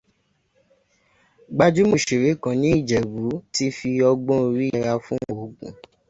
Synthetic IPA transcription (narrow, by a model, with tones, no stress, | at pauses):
ɡ͡ba˧d͡ʒu˦mo˨ʃe˨ɾe˨˦kã˧˦nĩ˨˦i˦˨d͡ʒɛ˨ɡu˨˦ti˦fi˧ɔ˧ɡ͡bõ˦˧ɾi˦˧ɾa˧fũ˦o˨˦ɡṵ̃˦˨